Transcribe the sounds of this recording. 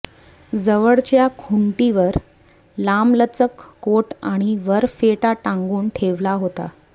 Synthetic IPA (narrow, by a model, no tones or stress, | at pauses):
d͡zəʋəɭt͡ɕjakʰuɳʈiʋəɾ | lamlət͡səkːoʈaɽ̃iʋəɾfeʈaʈãŋɡuːnʈʰeʋlaɦot̪a̰